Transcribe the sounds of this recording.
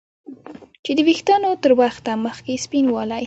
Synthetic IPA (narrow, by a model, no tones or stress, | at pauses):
t͡ʃed̪əwixt̪ɑnot̪əɾwaxt̪aməxkespinwɑla